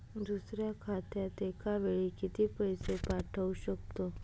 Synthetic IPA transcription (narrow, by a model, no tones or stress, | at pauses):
d̪usɾjakʰat̪ʰjat̪ekaʋeɭikit̪ʰiːpəjsepaʈʰəuɕəkt̪o